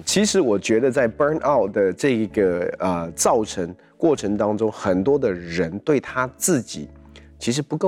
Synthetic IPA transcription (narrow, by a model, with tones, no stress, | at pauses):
t͡ɕʰi˧˥ʂɻ̩˧˥wɔ˨˩t͡ɕɥɛ˧˥d̪ə˧t͡sa˥˩ɪpə˞˥nʔa˥˩ʊtd̪ə˩ʈ͡ʂɤ˥˩i˧˥ɡə˩ə˧t͡sɑ˥˩ʊʈ͡ʂʰə˧˥ŋ | kwɔ˥˩ʈ͡ʂʰɤ˧˥ŋt̪ɑ˥ŋʈ͡ʂʊ˥ŋxə˨˩nt̪wɔ˥d̪ə˨ɻə˧˥nt̪we˥˩ɪt̪ʰa˥t͡sɹ̩˥˩t͡ɕḭ˨˩˦t͡ɕʰi˧˥ʂ̬ɻ̩˧˥pu˧˥ko˥˩